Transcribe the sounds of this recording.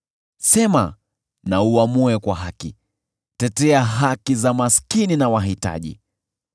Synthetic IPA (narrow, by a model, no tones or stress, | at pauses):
sɛma | nauamuɛkwaɦakḭ | tɛtɛaɦakizamaskininawaɦita̰ʄḭ